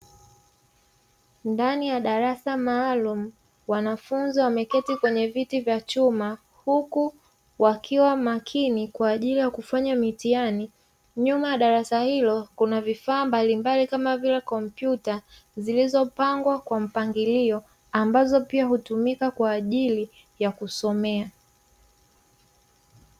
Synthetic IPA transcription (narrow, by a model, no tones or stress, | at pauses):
ndanijaɗaɾasamaːlumu | wanafunziwamɛkɛtikwɛɲɛvitivjat͡ʃuma | huku | wakʰiwamakʰinikwaːʄilijakufaɲamitiani | ɲumajaɗaɾasahilɔkunavifaːmbalimbalikamavilɛkɔm̩pjuta | zilizɔpaŋɡwakwam̩paŋɡiliɔ | ambazɔpiahutumikakwaːʄili | jakusɔmɛa